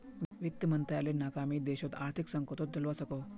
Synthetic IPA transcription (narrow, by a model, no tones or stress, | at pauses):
ʋik̚t̪əmənt̪jalenakamiːd̪eɕot̪aɾt̪ʰiksəŋkot̪ot̪̚d̪əlʋasəko